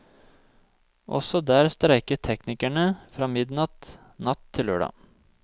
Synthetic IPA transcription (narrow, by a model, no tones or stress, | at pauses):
ʔɔ̰sɔd̪æːɾst̪ɾæɪkəʈ̪ʰɛknɪkæɳəfɾɑːmɪd̪nɑt̪ | nɑt̪ʰːɪlø̰ːɖɑ̰